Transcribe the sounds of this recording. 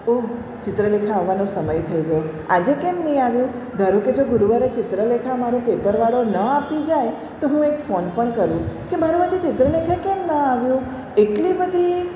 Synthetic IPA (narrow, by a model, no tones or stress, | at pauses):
o | t͡ʃɪt̪ɾəlekʰaːʋːanõsəməjt̪ʰəjɡəjo | ad͡ʒekemnəɦĩaʋjũ | d̪ʱəɾũked͡ʒoɡʊɾuʋaɾet͡ʃɪt̪ɾəlekʰamaɾõpepəɾʋaɽonəapid͡ʒaj | t̪oɦũekfonpəɳkəɾũkebʱəɾũad͡ʒet͡ʃɪt̪ɾəlekʰakemnəaʋjũ | eʈlibəd̪ʱi